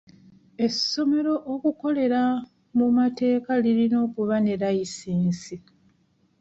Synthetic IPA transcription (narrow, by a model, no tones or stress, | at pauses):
e̞sːo̞me̞ɾo̞ʔokuko̞le̞ɾa | mumate̞ːkalilino̞ːkuβane̞ɾajisiːnsi